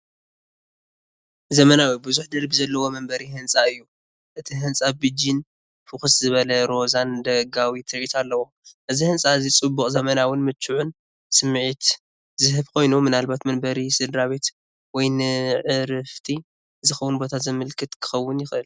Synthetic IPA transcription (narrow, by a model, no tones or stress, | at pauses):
zɐmɐnawibɨzuħd̪ɐɾbizɐlːɐwo̞mɐmbɐɾihɨnsʼaɨjːu | ʔɨt̪ʰiɦɨnt͡sʼabɨd͡ʒin | fɨxɨszɨβɐlɐɾo̞zand̪ɐɡawit̪ʰɨɾʔit̪ʰalːɐwo | ʔɨzihɨnsʼaɨzit͡sʼɨbːuχʼzɐmɐnawʊnmɨt͡ʃːuʕʊn | sɨmːɨʕit̪ | zɨɦɨβkʰo̞jnumɨnalbat̪mɐmbɐɾisɨd̪ɾaβe̞t̪ | wɔjnɨʕɨɾɨft̪ʰi | zɨxɐwunbo̞t̪ʰat̪zɨmɨlkʰɨt̪kʰɨ̥xɐwːʊnjɪxʔɨl